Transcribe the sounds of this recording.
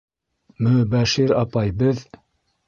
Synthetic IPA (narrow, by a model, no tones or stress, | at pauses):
mɵbæʃiɾɑpɑjbɤð